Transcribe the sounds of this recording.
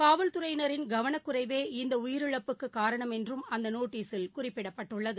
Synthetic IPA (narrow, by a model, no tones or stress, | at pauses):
kaːʋɐlt̪ʊɾɐɪnɐɾɪnɡɐʋɐɳɐkːɯrɐɪʋeːɪnd̪ɐʊjɪɾɯɭɐpːɯkːɯkːaːɾɐɳɐmɛndrɯmɐnd̪ɐnoːʈːiːsɪlkʊrɪpːɪɽɐpːɐʈːɯɭːɐðɯ